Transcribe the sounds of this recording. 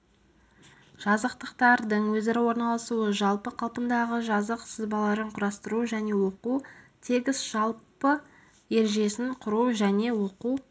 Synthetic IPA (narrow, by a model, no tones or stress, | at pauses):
ʒ̥ɑzəqt̪əqt̪ɑɾd̪əɴwɵzeɾɪwo̞ɾnɑlˠɑsuəʒɑlˠpəqʰɑlˠpənd̪ɑʁəʒɑzəqsəzbɑlˠɑɾəɴqʰʊɾɑst̪əɾuʒæne̞wo̞qut̪ʰe̞ɡʲɪzʒ̥ɑlˠpə | e̞ɾʒe̞sɪɴqʰʊɾuʒæne̞wo̞qu